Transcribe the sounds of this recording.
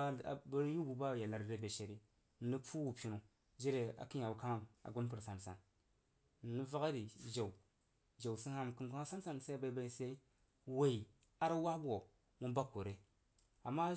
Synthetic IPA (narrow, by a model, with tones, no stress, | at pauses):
bɾju˦bu˨ba˦˨ja˨la˨ɾbe˦be˨ʃe˨ɾi˦˨ | ni˦pʰu˦wu˨pʲi˨nu˨ | d͡ʒe˦ɾe˨a̰˨ki˦ɲa˨wu˨ka˦ŋ˦˨a̰˨ɡu˦np̬ɨ˨ɾsa˨nsa̰˨n˨ | ni˦va˦ka˦ɾi˨d͡ʒa˨w | d͡ʒa˨wsi˦a˦m˨ki˦nku˦a˦sa˦n˦sa˦n˨sa˦ba˦i˦ba˨i˨se˦i˦ | we˨i˨ | a˦ɾa˦wa˦bu˦o˨ | mu˦ba˦ko˨ɾe˦ | a˨mːa˦